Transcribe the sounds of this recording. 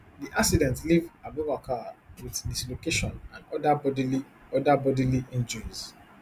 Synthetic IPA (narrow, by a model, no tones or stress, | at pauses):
diʔaksidɛ̃ntlivabovakʰawiðdislokeʃɔ̃nãnɔdadii | ɔdabɔdiliʔɛ̃nd͡ʒəɹiz̥